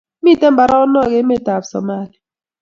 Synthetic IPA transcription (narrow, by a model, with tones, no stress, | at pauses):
mi˦˨tɛ˦mba˨ɾɔ˦nɔ˦˨ɣe˦me˦˨ta˨fsɔ̰˨ma˦˨li˨